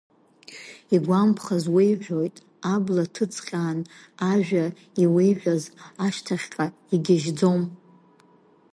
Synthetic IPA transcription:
iɡʷampʰχazwejʕʷᶣojtʼ | ablatʰɨt͡sʰqʲʼaːn | aʒᶣa | iwejʕʷᶣazaʃtʰaχʲqʼa | iɡʲɪʒd͡zo̞m

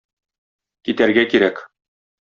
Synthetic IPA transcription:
kit̪æɾɡækiɾæk

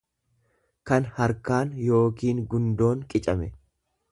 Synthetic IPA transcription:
kɐnhɐɾkaːnjo̞ːkiːŋɡʊnd̪o̞ːŋkʼɪt͡ʃʼɐmɛ

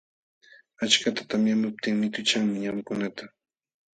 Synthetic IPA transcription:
at͡ʃkat̪ḁt̪amjanʊp̚t̪ɪŋmɪt̪ʊt͡ʃaŋmɪɲamkʊnat̪a

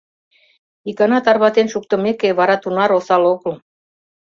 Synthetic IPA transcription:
ikɑnɑt̪ɑrβɑt̪enʃuk̚t̪ə̆mekeβɑɾɑt̪unɑɾosɑlokəl

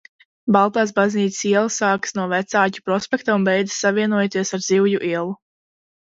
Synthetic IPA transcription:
balˠt̪aːs̬bazniːt̪ssiɛlˠsaːksnuɔvɛt̪saːcu̥pɾɔspʲekt̪aũnbɛjd̪ɨ̥sːavʲiɛnuɔjt̪iɛsaɾdziwjuʔiɛlˠu

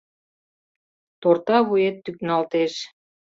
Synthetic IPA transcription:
t̪ort̪ɑβujet̪ːyk̚nɑlt̪eʃ

